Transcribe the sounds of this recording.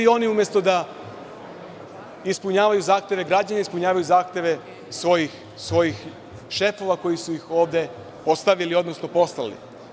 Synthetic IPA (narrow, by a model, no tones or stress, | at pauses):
io̞niumʲjest̪o̞d̪a | ispuɲaːʋajuzaːxt̪ʲje̞ʋe̞ɡɾad͡ʑaɲaispuɲaːʋajuzaːxt̪ʲje̞ʋe̞ | sʋo̞jix | sʋo̞jix | ʃe̞fo̞ʋako̞jisujixo̞ːʋd̪e̞ | po̞st̪aʋilio̞d̪nosno̞po̞st̪alḭ